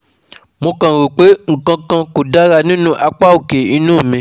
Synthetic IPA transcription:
mo˧kã˨ɾo˨k͡pe˨˦ŋ̩˨kã˧kã˧ko˨da˦ɾa˧nĩ˦nũ˦ʔa˧k͡pa˦o˨ke˨i˧nũ˦˨mĩ˧

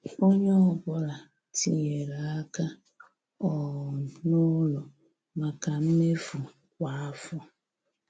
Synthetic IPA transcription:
o˦ɲe˦ɔ˨ɡʷɔ˦ɾa˨ | ti˦ɲe˨ɾa˨a˦ka˦ | ɔ˨nʊ˦lʊ˨ | ma˨ka˨m̩˦me˦fu˨ | kʷa˨a˦fɔ˦

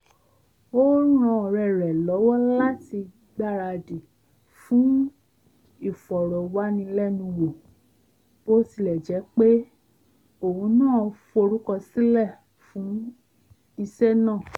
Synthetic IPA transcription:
o˦ɾ̃ã˧˨ɾɛ˨ɾɛ˨lɔ˨˦wɔ˦la˦ti˧ | ɡ͡ba˦˨ɾa˧di˨ | fũ˨˦ | i˦˨fɔ˨ɾɔ˨wa˦nĩ˧˦lɛ˦˨nũ˧wo˨ | bo˦si˦˨lɛ˨d͡ʒɛ˨˦k͡pe˦ | o˦˨hũ˨˦nãː˦˨˧fo˧ɾu˦kɔ˧si˦lɛ˦˨ | fũ˨˦ | i˧sɛ˦nãː˦˨

